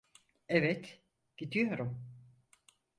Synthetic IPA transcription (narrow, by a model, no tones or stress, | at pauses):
evɛt̪ | ɟ̥id̪ijo̞ɾum